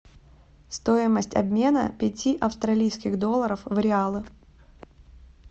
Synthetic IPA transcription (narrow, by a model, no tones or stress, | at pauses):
st̪o̞ɪməsʲtʲɐ̰bmʲe̞nə̰pʲɪtʲiʔɐfst̪ɾɐlʲijskʲɪɣd̪o̞lˠːəɾəfvɾʲɪalˠɨ